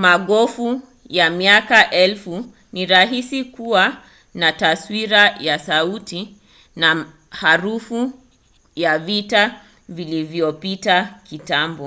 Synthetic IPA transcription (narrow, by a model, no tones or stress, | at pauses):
maɠɔfu | jamiakaʔɛlfu | niɾaɦisikuwa | nataswiɾajasauti | na | haɾufu | javita | vilivjɔpitakitambɔ